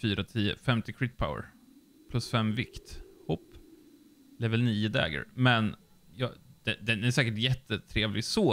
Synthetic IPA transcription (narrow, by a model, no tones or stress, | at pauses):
fyːɾat̪ʰiːə̰fɛmt̪ɪkʰɾit̪̚pʰaʊə̰ɾ | pʰlɵsfɛmvɪkt̪hɔpː | lɛvəlniːəd̪ɛ̰ːɡə̰ɾmɛn | jɑd̪̥ɛd̪ɛnæʂɛːkəʈjɛt̪ːət̪ʰɾeːvlɪɡsoː